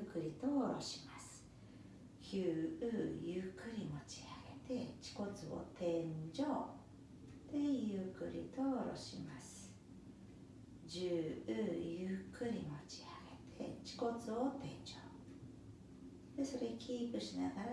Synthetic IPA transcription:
kɯ̟ɾʲit̪o̞ːɾo̞̰ɕi̥masɨ̥ | çʲɨːɯ̟jɯkːɯ̟ɾʲimo̞t͡ɕi̥aɡ̥et̪e̞t͡ɕi̥ko̞t͡sɨo̞̰t̪ẽ̞ɲd͡ʑoː | t̪e̞jɯkɯ̟ɾʲit̪o̞ːɾo̞̰ɕḭmasɨ̥ | d͡ʑɨːɯ̟ːjɯkːɯ̟ɾʲimo̞t͡ɕi̥aɡet̪ʰe̞t͡ɕi̥ko̞t͡sɨot̪ẽ̞ɲ̟d͡ʑoː | d̪̥e̞so̞ɾe̞kʲiːkɯ̟ɕinaɡaɾa

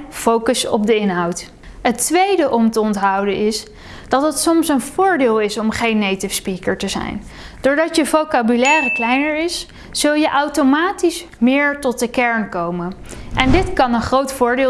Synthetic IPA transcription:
fowkəsɔ̰b̚dəɪnɦɑwt | ɦətʋejdəʔɔmtəɔntɦɑwdənɪs | d̥ɑtɦətsɔmsənvʊːɹdeːlˠɪsɔmχejnːejtɪfspikəɹtəzɛ̰jn | dʊːɹdɑtjəvowkabylɛːrəklɛjnəɹɪs | z̥ɵlˠjəʔɑwtomaːtis | mɪːɹtɔt̚dəkɛɹnkowmənʔɛndɪtkɑnənχrowtfʊːɹdɪː

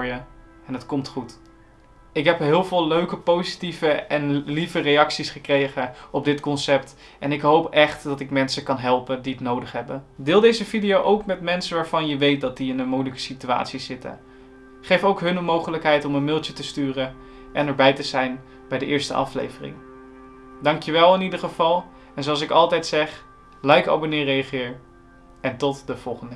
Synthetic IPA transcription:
jə | ɛnɦətkɔmtχut | ɪkɦɛpɦɪːlˠvɪːlˠløɥkəpowzitivəɛnlivərejɑksisχəkrejχəɔb̚dɪtkɔnsɛpt | ʔɛnɪkɦowpɛχtdɑtɪkmɛnsəkɑnɦɛlˠpəndiətnowdəχɦɛbədɪːlˠdejzəvidijowʔowkmɛtmɛnsənʋaːɹv̥ɑnjəʋejt̚dɑt̚diɪnənmujləkə̥sitya̰ːtsizɪtə̰n | χejfowkɦɵnəmowχələkɦɛjtɔmənmɪlˠtjətəstyːrə | ʔɛnɛɹbɛjtəzɛjn | bɛjdəʔɪːɹstə̰ʔɑ̰flḛjvərɪ̰ŋ | dɑŋkjəʋɛlˠɪnidəɹχəv̥ɑlˠ | ɛnzoɑlˠsɪkɑlˠtɛjtsɛχ | lɑjkɑ̰bonɪːrejɑχɪːɹ | ɛntɔtdəv̥ɔlˠχəndə

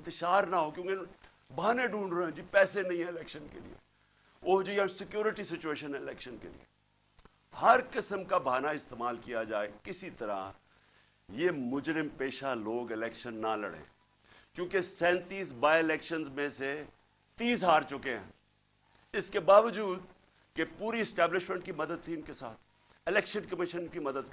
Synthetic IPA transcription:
t̪ɪʃaːɾnaɦokjõːke | bʱaːnẽɖũːnɾɐɦɛ̃d͡ʒipɛːsenɐ̃ɦĩɦɛ̃lɛːkʃənkḛlḭḛ | oːd͡ʒojãsɪkjuːɾɪʈisɪt͡ʃueːʃənɦɛɪlɛːkʃənkḛlḭjḛ | hɐɾkɪsəmkabʱaːnaɪst̪eːmaːlkijad͡ʒaːekɪsit̪ɐɾa̰ | jeːmʊd͡ʒɾɪmpeːʃaloːɡɪlɛːkʃənːalɐ̰ɽḛ̃ː | kjõːkesɛ̃ːnt̪iːsbaːɪlɛːkʃənzmẽse | t̪iːzɦaːɾt͡ʃʊkeɦɛ̰̃ː | ɪskebaːʋəd͡ʒuːd̪ | kepuːɾiɪsʈɛːblɪʃmẽɳʈkimɐd̪əd̪̚t̪ʰiʊnkesaːt̪ʰ | ɪlɛːkʃənkɐmɪʃənkimɐd̪əd̪

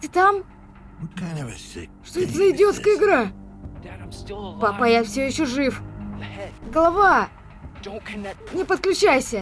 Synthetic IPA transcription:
tɨt̪am | ʂt̪oɛt̪əzəɪdʲɪot̪skəjɪɡɾa | papɐjafsʲɵjɪɕːoʐɨf | ɡəlˠɐvḁ | nʲɪpət̪̚klʲʉt͡ɕæjsʲə

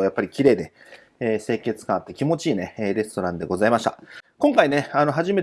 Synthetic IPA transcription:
ojapːaɾʲikʲiɾe̞ːd̪e̞ | eːse̞ːkʲe̞t͡sɨ̥kãat̪ːekʲimo̞t͡ɕiːne̞eːɾʲe̞sɨ̥t̪o̞ɾãnd̪e̞ɡo̞zaimaɕi̥t̪a̰kõ̞ŋkaine̞ano̞ɦaʑime̞

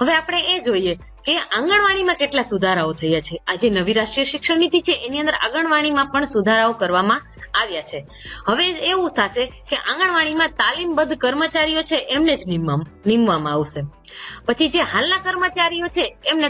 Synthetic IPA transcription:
ɦəʋeapəɽ̃eed͡ʒoie | keãŋɡəɳ̃ʋaɽ̃imãkeʈlasud̪ʱaɾaot̪ʰəjat͡ʃʰead͡ʒenəʋiɾaʃʈɾijəʃɪkʂənit̪it͡ʃʰeʔeniə̃nd̪əɾʔa̰ɡəɳʋaɽ̃imãpəɳsud̪ʱaɾaokəɾʋamã | aʋjat͡ʃʰe | həʋeeʋũt̪ʰaʃekeʔãŋɡəɳʋaɽ̃imãt̪alimbəd̪ʱkəɾmət͡ʃaɾijot͡ʃʰeʔemned͡ʒninimʋamãaʋʃepət͡ʃʰid͡ʒeɦalnakəɾmət͡ʃaɾijot͡ʃʰeːmne

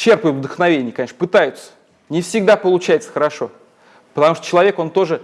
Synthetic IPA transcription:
t͡ɕːe̞rpəjʊt̪vd̪əxnɐvʲenʲɪjəkɐnʲeʂnəpɨt̪ajʊt̪sə̥ | nʲɪfsʲɪɡ̚d̪apəlˠʊt͡ɕæjɪt̪sə̥xəɾɐʂo̞ | pət̪ɐmuʂt̪o̥t͡ɕɪlˠɐvʲeko̞nt̪o̞ʐɨ

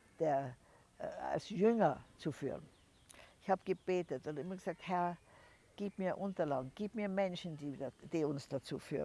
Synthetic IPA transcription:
d̥eːɐ | a̰lsjʏŋɐt͡sufy̰ːʁən | ɪçhaːbɡ̥əb̥eːtətʊndɪmɐɡə̥z̥aːk̚thɛɐ | ɡ̥iːpmiːɐʔʊntɐla̰ːɡŋ̩ɡ̥iːpmiːɐmɛnʃn̩diːd̥iːʊnsd̥at͡sṵːfy̰ː

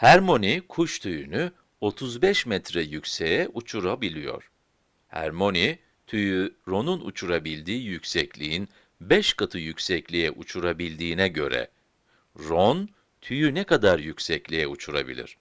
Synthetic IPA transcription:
hæɾmo̞nikʰuʃt̪ʰyjyny | o̞t̪ʰuzbɛʃmɛt̪ɾɛjycʲsɛjɛʔut͡ʃʰuɾabilʲijo̞̰ɾ̥ | hɛæ̰ɾmo̞ni | t̪ʰyjyɾo̞nunṵt͡ʃʰuɾabilʲd̪iːjycʲsɛclʲiːin | bɛʃkʰat̪ʰɯjycʲsɛclʲijɛʔut͡ʃʰuɾabilʲd̪iːnɛɟø̞̰ɾɛ̰ | ɾon | t̪ʰyjynɛkad̪aɾjycsɛclʲijɛut͡ʃʰuɾa̰bḭlʲḭɾ̥

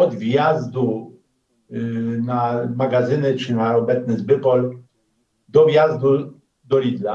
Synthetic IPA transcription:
ɔd̪vʲjazd̪u | namaɡazɘnɘt͡ʂɘnaɔbɛt̪snɘzbɘpɔl | d̪ɔvʲjazd̪u | d̪ɔlʲid̪la

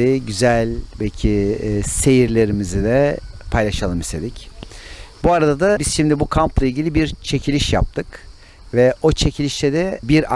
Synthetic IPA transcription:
ɪɟyzælʲbɛlʲcʰɪse̞jiɾlʲe̞ɾimizid̪ɛpʰajlˠaʃalˠɯmist̪ʰe̞d̪ic | buaɾad̪ad̪abiz̥ʃimd̪ibukʰamplˠailʲɟilʲibiɾt͡ʃʰe̞cʰilʲiʃja̰p̚t̪ʰɯk | vɛo̞t͡ʃʰe̞cʰilʲiʃt̪ʰɛd̪ɛbiɾa

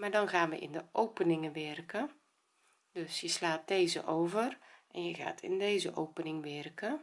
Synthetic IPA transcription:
maːdɔnɣaːnʋə̰ʔɪ̰ndəʔowpənɪŋəʋɛrkə | døsjəslaːt̚deːzə̰ʔoːwvərʔɛnjəɣa̰ːtʰɪ̰ndeːzə̰ʔowpənɪŋʋɛrkə

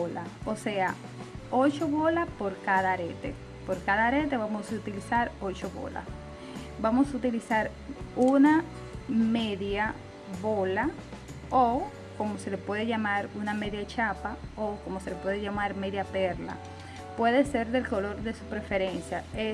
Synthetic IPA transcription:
laose̞a | ot͡ʃoβo̞lapo̞ɾkaðaɾet̪ḛ | poɾkaðaɾe̞t̪̬e̞βamosaut̪ilisaɾo̞t͡ʃoβo̞̰la̰ | bamosut̪ilisaɾ | una | meðja | βola | o | ko̞mo̞se̞lepwe̞ðeʝamaɾuname̞ðjat͡ʃapaoko̞mose̞lepwe̞ðeʝamaɾme̞ðjapeɾla̰ | pwe̞ðese̞ɾðe̞lko̞lo̞ɾðe̞supɾefe̞ɾensjae

